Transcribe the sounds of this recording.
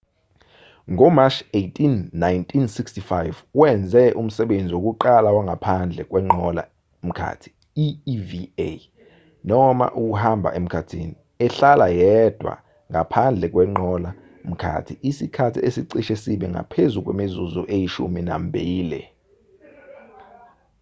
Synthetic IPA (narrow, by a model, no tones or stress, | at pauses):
ŋɔmat͡ʃejtʰʼinːajntʰʼinsikstifajvwɛnd͡zʱɛʔum̩sɛɓend͡zʱiwok̬ʼuǃalawaŋʱapʰand͡ɮʱɛk̬ʼwɛŋ͡ǃʱɔla̰ | m̩kʰa̰ːtʰi̥ | ivie | nɔma̰ʔuk̬uhambʱa̰ʔem̩kʰatʰiːni | ɛɬalajɛd̥ʱwa̰ | ŋapʰand͡ɮʱɛk̬ʼwɛŋ͡ǃʱɔla | m̩kʰa̰ːtʰiʔisikʰatʰiesiǀiʃesiɓɛŋa̰pʰezuk̬ʼwḛmizuzuʔejiʃṵmina̰m̩bʱiːlɛ̰